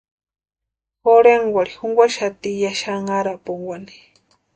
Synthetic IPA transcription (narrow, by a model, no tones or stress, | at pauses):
xoɾeŋɡwaɾixuŋɡʷwʷaʃat̪ijaʃaŋaɾapuŋɡʷwʷani̥